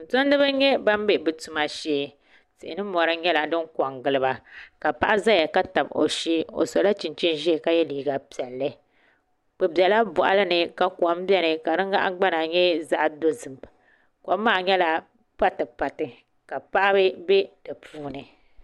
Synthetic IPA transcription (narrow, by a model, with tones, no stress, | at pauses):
n̩˨ta˦n˦dɨ˦ba˦ɲɛ˦ba˦mbe˨bɨ˨tu˨ma˨ʃeː˦ | sɨ˨ɪ˨nɨ˦mɔ˨ɾɨ˦ɲɛ˦la˨dɨ˦ŋka˨ŋɡɨ˨lɨ˨ba˨ka˨pa˦ʔa˦za˦ja˨ka˦ta˨bo̰˨ʃiː˦o̰˨so˨la˦t͡ʃi˨nt͡ʃi˦n˦ʒɛ˦˨ka˦jɛ˦liː˨ɡa˨pi˨ɛ˨lːɨ˦ | k͡pɨ˨bi˨ɛ˨la˦bɔ˨ʔa̰˨lɨ˦nɨ˨ka˨kwa˨˦m˦bɛ˦nɨ˨ka˨nɨ˦ŋɡa̰˦ʔa̰˦ɡ͡ba˦na˨ɲɛ˦za˦ʔdo˦zɨ˨m˨ | ka˨˦mːaː˦˨ɲɛ˦la˦ | pa˦tɨ˨pa˨tɨ˨ | ka˨pa˦ʔa˦bɨ˦be˦d̥ɨ˨pʰuː˦nɨ˨